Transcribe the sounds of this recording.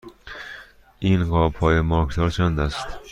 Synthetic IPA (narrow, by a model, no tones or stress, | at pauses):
ʔiːnɢɒːpʰɒːjemɒɾkʰd̪ʰɒːɾt͡ʃʰænd̪æst̪